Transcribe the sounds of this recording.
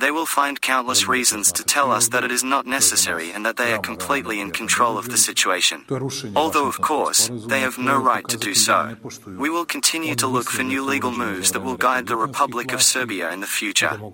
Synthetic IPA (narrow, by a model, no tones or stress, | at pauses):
ðeɪwɪlˠfãɪ̃nkʰãʊ̃nʔləsɹizɨ̃nz̥tʰɨtʰɛlˠʌsðɨɾɨɾɨznətⁿnɛsɨsɛ̰ɹḭɨ̃nðɨt̪̚ðeɪə˞kʰm̩pʰl̥itˡliɨ̃nkʰn̩tʰɹ̥oʊlˠʌvðɨsɪt͡ʃʉeɪʃɨ̰̃nɔlˠðoʊʌv̥kʰɔɹsðeɪɨvnoʊɹaɪtʰɨdɨsoʊ | wiwɪlˠkʰn̩tʰɪ̃njʉɾəlʊkfə˞njʉliɡl̩ˠmʉvzðɨt̚wɪlˠɡaɪd̪̚ðɨɹɨpʰʌblɨkʌv̥sɜ˞biɨ̰ɨ̃nðɨfjʉt͡ʃə̰˞